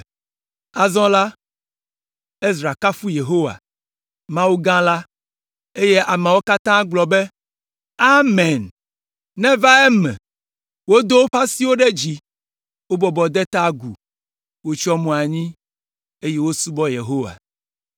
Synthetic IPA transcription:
a˨zɔ̃˦la˦ | e˦zɾa˨ka˦fu˦je˨ɦo˦wa̰˨ | mã˦wo˦ɡã˦la˦ | e˦je˦ʔa˨mɛ̃˨wo˦ka˦t̪ã˦ɡ͡blɔ˨be˦ | a˦mɛ̃˨n | nɛ̃˦va˦ɛ˦mɛ̰̃˨ | wo˦d̪o˦wo˦ɸa˦si˦wo˦ɖɛ˦d͡ʑi˨ | wo˦bɔ˨bɔ˨d̪ɛ˦t̪a˦ɡu˨ | wo˦t͡ʃɔ˦mɔ̃˨a˨ɲĩ˦ | e˦je˦wo˦su˦bɔ˦jḛ˨ɦo˦wa̰˨

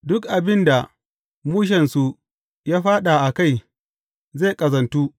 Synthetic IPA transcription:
dʊ˦kʔa˨bɪ˦nda˨ | muː˦ʃ̬ɛ˨nsu˨ | jaː˦ɸaː˦ɗa˨ʔa˨ka˦˨j | zeː˦˨kʼɐ˨zɐ˨ntuː˦

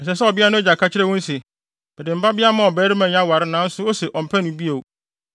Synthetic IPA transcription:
n̩˨s̬ɛ˨s̬ɛ˦ɔ˨bɪ˦a˦nʊ̃˦d͡ʑa˨kʰa˦t͡ɕʰɪ˦ɾɛ˦wɔ̃˦n̩˦sɛ˨ | b̥ɛ˨dɪ̃˨m̩˨ba˦bɪ˦a˦mã˨ɔ˨bɛː˨˦ɾi˦mã˨ɲ˦ã˦wa˨ɾɪ˦nãː˨˦n̩˦sʊ˦o˦sɛ˨ʔɔ̃˨m̩˨pʰɛ˦nʊ̃˨˦bi˦o˨

